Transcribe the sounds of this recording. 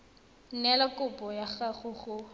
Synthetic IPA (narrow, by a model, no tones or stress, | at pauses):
n̩nɛlakʼʊpʼɔjaχaχʊχʊ